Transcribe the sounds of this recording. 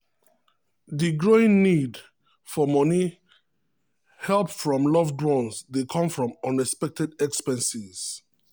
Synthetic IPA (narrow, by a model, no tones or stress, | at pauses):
ðiɡɹoɪ̃ŋnid | fɔmɔni | hɛlˠpfɹɔ̃mlɔvdɹɔ̃nsdekʰɔ̃mfɹɔ̃mɔ̃nɹɛspɛk̚tɛdɛkspɛ̃nsiz̥